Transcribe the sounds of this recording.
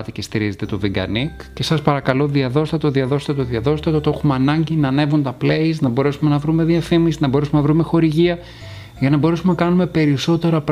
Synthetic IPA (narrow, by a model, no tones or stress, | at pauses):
t̪icest̪iɾize̞t̪e̞t̪o̞viŋɡɐ̰nikce̞sɐspɐɾɐkɐlo̞ðiɐðo̞st̪ɐt̪oðiɐðo̞st̪ɐt̪oðiɐðo̞st̪ɐt̪ot̪e̞xumeɐnɐɲɟinɐːne̞vunt̪ɐpleiznɐbo̞ɾe̞sume̞nɐvɾume̞ðiɐfimisinɐbo̞ɾesumenɐvɾume̞xo̞ɾiʝiɐ | ʝɐnɐbo̞ɾesumenɐkɐnume̞pe̞ɾiso̞t̪e̞ɾɐp